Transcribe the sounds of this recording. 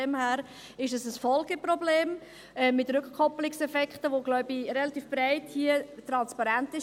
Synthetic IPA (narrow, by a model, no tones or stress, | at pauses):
ɛmhæːɾ | ɪʃdəsəsfɔlɡəpɾɔbleːm | ɛmːɪtrɾʏkχkʰːɔplɪksɛfɛkχtəʋoɡlɔʊbiɾɛlɑt̪iːfb̥ɾaɪthiət̪ɾɑnspɑɾɛntɪʃ